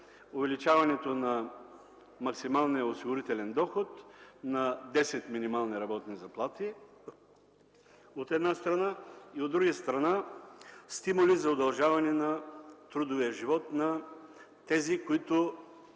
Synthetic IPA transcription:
ovɛlit͡ʃavɐnɛt̪onɐ | mɐksimalˠnijɐosiɡʊɾit̪ɛlɛnd̪ɔxot̪nɐd̪ɛsɛt̪minimalˠniɾɐbɔt̪nizɐplˠat̪i | ot̪ɛd̪nast̪ɾɐnaiod̪ːɾuɡəst̪ɾɐna | st̪imʊlizɐod̪ɐlˠʒavɐnɛnɐt̪ɾud̪oviɐʒivɔt̪nɐ | t̪ɛzikoit̪o

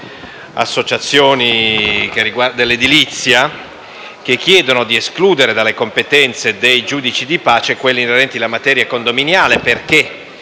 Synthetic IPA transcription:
a̰sːot͡ʃat̪sːjoːnikerːiɡwad̪elːed̪ilit̪sːja | kekːjɛːd̪onod̪ieskluːd̪eɾed̪alːekompet̪ɛnt̪sed̪ejd͡ʒuːd̪it͡ʃid̪ipaːt͡ʃekwelːiːneɾɛnt̪ilamat̪ɛːɾjakond̪ominjaːleperke

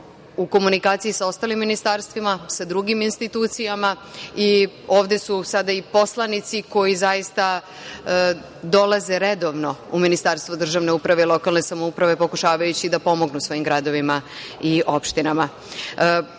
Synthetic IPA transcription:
uko̞munikaːt̪siisao̞st̪aːlimːinist̪aɾst̪ʋimasad̪ɾuɡiminst̪it̪uːt̪sijamaio̞ːʋd̪e̞susad̪aipo̞slˠanit̪siko̞jizajist̪a | d̪o̞laze̞ɾed̪o̞ʋno̞uminist̪aɾst̪vʋod̪r̩ʒaʋne̞upɾaʋe̞ilo̞kalˠne̞samoupɾaʋe̞po̞kuʃaːʋajut͡ɕid̪apo̞mo̞ɡnusʋo̞jimɡɾad̪o̞ʋimaio̞pʃt̪inama

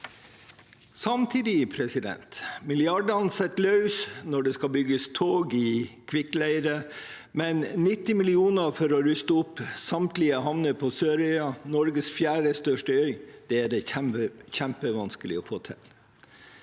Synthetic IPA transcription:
sɑmt̪ʰiːd̪ɪpʰɾɛsɪd̪ɛ̰nt̪mɪlɪɑɖənsɛt̪lœʉsnɔɖɛskɑbʏɡəst̪ʰoːɡɪkʰʋɪklæɪɾə | mɛnnɪt̪ːɪmɪlɪuːnəɾfɔɾɔɾʏst̪əʊpːsɑmt̪lɪəɦɑʋnəpʰɔsøːɾœʏɑnɔɾɡəsfjæːɾəst̪œʂʈəœʏd̪̥ɛæɖɛəçæmpəʋɑnskəlɪ̰ɔfoːt̪ʰɪ̰l

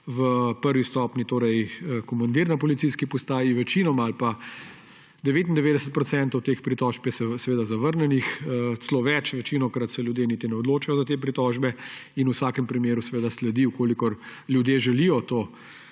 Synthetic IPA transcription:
ʋəpəɾʋist̪ɔpnit̪oːɾɛjəkɔmand̪iɾnapɔlit̪sijskipɔst̪aːjiʋɛt͡ʃiːnɔmaalpa | d̪ɛʋeːt̪ind̪ɛʋeːd̪ɛsət̪̚pɾɔt̪sɛnt̪ɔwt̪eːxpɾit̪ɔːʃpjɛsɛsɛʋeːd̪azaʋəɾnɛnixət̪slɔʋɛt͡ʃʋɛt͡ʃinɔkɾat̪sɛlʲjud̪jenit̪inɛɔd̪loːt͡ʃajɔzat̪eːpɾit̪ɔːʒbɛinusaːkɛmpɾimjeːɾusɛʋeːd̪aslɛd̪iukoːlikɔɾlʲjud̪jeʒɛlijɔt̪oː

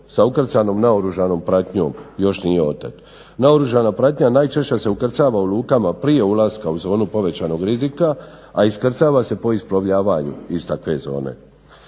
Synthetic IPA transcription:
saukr̩t̪sano̞mnaoɾuʒano̞ːmpɾat̪ɲo̞̰ːmjo̞ʃnije̞o̞t̪at̪ | naoɾuʒanapɾat̪ɲanaːjt͡ʃe̞ʃt͡ɕase̞ukr̩t̪saːʋaulˠuːkamapɾije̞ulaskauzo̞ːnupo̞ʋe̞t͡ɕaːno̞ɡɾizika | aiskr̩t̪saːʋase̞po̞isploʋʎaːʋaɲṵist̪akʋe̞̰zo̞̰ːne̞̰

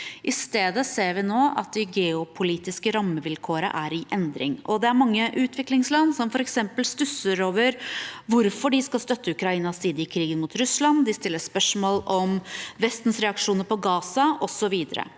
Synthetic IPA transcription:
ʔɪst̪eːd̪əseːɾʋɪnoːʔɑ̰t̪̚d̪ɪɡɛːʊpʰʊliːt̪ɪskəɾɑmːəʋɪlkʰoːɾə̰ʔæɾɪʔɛnd̪ɾɪ̰ŋʔɔd̪ɛæɾmɑŋːəʔʉːt̪ʰʋɪklɪŋslɑnːsɔmfɔɾɛksɛmpəlst̪ʉsəɾoːʋəɾʋʊɾfɔɖɪskɑst̪œt̪ʰːəʉkɾɑiːnɑsiːd̪əɪkʰɾiːɡənmʊt̪ɾʉslɑnd̪ɪst̪ɪlːəspœʂmoːlɔmʋɛst̪nsɾɛɑkʂuːnəɾpʰɔɡɑːsɑʔɔsɔʋiːd̪əɾə̰

